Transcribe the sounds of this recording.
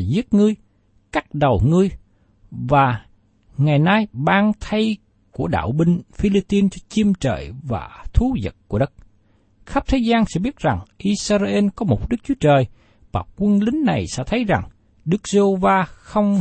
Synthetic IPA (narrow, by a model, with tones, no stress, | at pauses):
zi˦˥ət̚ŋɨ˧əj | ka˦˥k̚ɗə˨˩wŋɨ˧əj | vaː˨˩ | ŋa˨˩jnaː˧jɓaː˧ŋt̪ʰə˧j | ku˧˩əɗa̰ː˧˨wɓï˧ŋfi˧li˧p̚t̪i˧nt͡ɕɔ˧t͡ɕi˧əmt͡ɕə̰ː˧˨jva̰ː˨˩t̪ʰu˨˦zə̰˨˩t̚ku˧˩əɗə˦˥t̚ | xa˦˥p̚t̪ʰe˨˦jzaː˧nsɛ̰˧˥ɓi˦˥ət̚za˨˩ŋʔi˧saː˧za˧ʔe˧nkɔ˨˦mo˨˩t̚ɗɨ˦˥k̚t͡ɕu˨˦ət͡ɕəː˨˩j | vaː˨˩kwə˧nlï˨˦ŋ̟na˨˩jsɛ̰˧˥t̪ʰə˨˦jza˨˩ŋ | ɗɨ˦˥k̚ze˧vaː˧xə˧wŋ͡m